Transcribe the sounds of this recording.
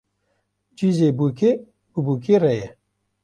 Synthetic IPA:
d͡ʒizeːbuːkʰe | bɨbuːkʰeːrɛjɛ

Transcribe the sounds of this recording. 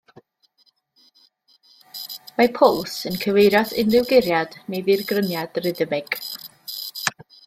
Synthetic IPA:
mapʰʊlˠsənkʰəvejɾɔθɪ̰nðɪwˠɡɪɾjad̥nejðirɡrənjad̥rɪðəmɪɡ̥

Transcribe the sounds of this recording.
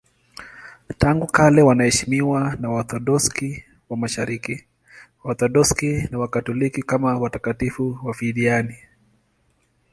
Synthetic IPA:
taŋɡukalɛwanahɛʃimiwanawaθɔɗɔski | wamaʃaɾiki | waθɔɗɔskinawakatɔlikikamawatakatifuwafiɗiani

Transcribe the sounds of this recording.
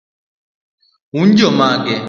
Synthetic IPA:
und͡ʒɔmaɡɛ

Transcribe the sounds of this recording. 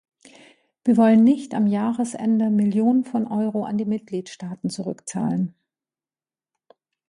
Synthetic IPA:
viːɐvɔlənːɪçtamjaːʁəsʔɛ̰ndəmɪljoːnənfɔnʔɔʏʁoʔa̰ndiːmɪt̚ɡ̥liːtʃtaːtn̩t͡suʁʏ̰kt͡sa̰ːlən

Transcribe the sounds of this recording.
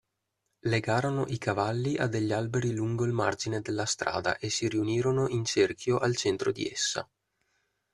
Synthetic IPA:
leɡaːɾonoʔikavalːiʔa̰d̪eʎːialbeɾiluŋɡoilmard͡ʒined̪elːast̪ɾa̰ːd̪a̰ʔesːiɾiuniːɾonoʔint͡ʃerkʰjoʔalt͡ʃɛnt̪ɾod̪ḭḛsːa̰

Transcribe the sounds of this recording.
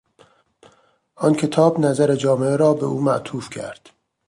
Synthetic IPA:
ʔɒncʰe̞t̪ʰɒːbnæzæɾe̞d͡ʒɒːmeeɾɒːbeʔuːmæʔt̪ʰuːfcʰæ̰ɾd̪̥

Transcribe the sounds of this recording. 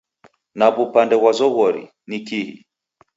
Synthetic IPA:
naβupandɛwazɔɣɔɾḭ | nikihḭ

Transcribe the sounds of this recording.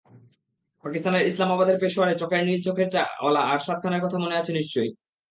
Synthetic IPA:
pakist̪aneɾislamabad̪eɾpeʃoaɽet͡ɕɔkaɾniɾd͡ʑokʰeɾt͡ɕaɔ̰laaɾʃat̪̚kʰanaɾkɔt̪ʰamoneat͡ɕʰeniʃt͡ɕoj

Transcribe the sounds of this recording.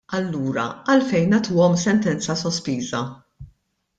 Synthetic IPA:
ɐlːuːɾɐ̰ɐlfɛjnːɐt̪uːɔmsɛnt̪ɛnt͡sɐsɔspiːzɐ

